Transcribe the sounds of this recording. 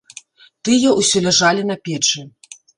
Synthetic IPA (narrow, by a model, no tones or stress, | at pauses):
t̪ɨjɐʔwsʲɔlʲaʐalʲinɐpʲɛt͡ʂɨ